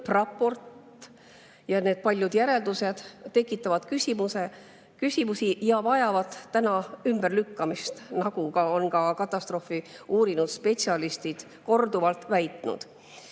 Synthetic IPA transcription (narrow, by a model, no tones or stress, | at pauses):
rɑpːo̞rt̪ | jɑne̞ːd̪̥̚pɑlʲjud̪̥jæɾe̞ld̪use̞d̪̥t̪ːe̞kːˑit̪ːˑɑvɑd̪̥kysimuse | kysʲimusijɑvɑjɑvɑd̪̥ːænɑymb̥erlykːɑmist̪nɑɡ̥uɡɑo̞nkɑkɑt̪ːˑɑst̪ro̞fiuːɾinud̪̥spe̞siɑlist̪id̪̥ | ko̞rd̪uvɑlt̪ːˑvæjt̪ˑnṵd̪̥